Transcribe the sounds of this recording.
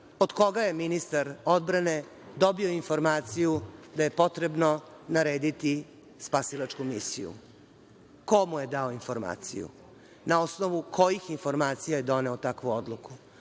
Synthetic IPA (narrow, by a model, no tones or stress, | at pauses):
od̪ko̞ɡaje̞minist̪aɾod̪bɾane̞ | d̪o̞bio̞info̞ɾmaːt̪sijud̪aje̞po̞t̪ɾebno̞naɾeːd̪it̪i | spasilˠat͡ʂkumisḭjṵ | komuje̞d̪aoinfo̞ɾma̰ːt̪sḭjṵ | nao̞snoʋuko̞jixinfo̞ɾmaːt̪sijajed̪o̞ne̞ot̪akʋuod̪lˠuku